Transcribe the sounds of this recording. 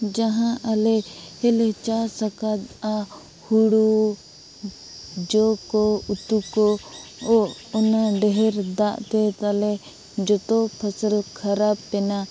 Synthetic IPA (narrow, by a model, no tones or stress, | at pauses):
d͡ʒaɦãʔalɛhɛlɛt͡ʃaɾsəkat̪a | huɽu | d͡ʒɔkɔut̪ukɔɔɔnaɖɛɦɛɾd̪aʔt̪ɛt̪alɛ | d͡ʒɔt̪ɔpʰəsəlkʰəɾab̚pɛna